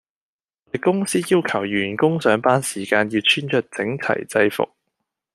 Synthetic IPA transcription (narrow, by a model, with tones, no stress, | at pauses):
t̪ɐ˨jkʊ˥ŋsiː˥jiː˥wkʰɐ˨˩wjyː˨˩nkʊ˥ŋsœː˨˥ŋpaː˥nsiː˨˩kaː˧njiː˧wt͡ʃʰyː˥nt͡ʃœː˧t̚t͡sɪ˨˥ŋt͡sʰɐ̰˨˩jt͡sɐ˧jfʊ̰˨k̚